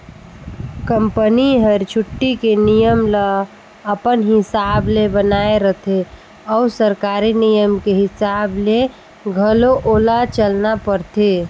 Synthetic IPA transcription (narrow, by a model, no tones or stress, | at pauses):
kəmpəniɦəɾt͡ʃʰʊʈːikenijəmlə | əpənɦɪsaːblebənaːeɾət̪ʰe | ɔusəɾkaːɾinijəmkeɦɪsaːble | ɡʱəloʔoːlat͡ʃəlnapəɾt̪ʰe